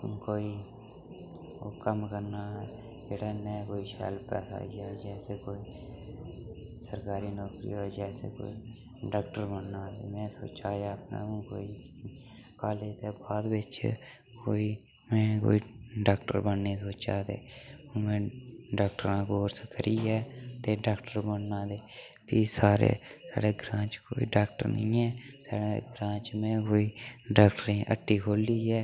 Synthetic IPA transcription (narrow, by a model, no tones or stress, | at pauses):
koːi | okəmkəɾnaɛ | d͡ʒeːɽanɛkoːiʃɛ̰ːlpɛ̰ːsa̰ɡjad͡ʒɛːsekoːi | səɾkaːɾinɔːkɾḭoːd͡ʒɛːsḛko̰ːi | ɖaːkʈəɾbənːad̪ḛmɛ̃so̰ːt͡ʃaːaːpnḛũko̰ːi | kaːlet̪ebaːd̪bet͡ʃʰḛ | koːi | mɛ̃ːko̰ːiɖaːkʈəɾbənːeːsoːt͡ʃaːd̪ḛːoːmẽːɖaːk̚ʈəɾãːkoːɾskəɾiːɦɛːt̪eːɖaːkʈəɾbənːãːd̪eː | piːsaːɾḛːsa̰ːɖeːɡɾãːt͡ʃkoːḭːɖaːk̚ʈə̰ɾnĩːɛːsa̰ːɽeɡɾãːt͡ʃmẽːkoːiːɖaːkʈəɾẽʔə̰ʈːiːkʰoːlːiːɦɛː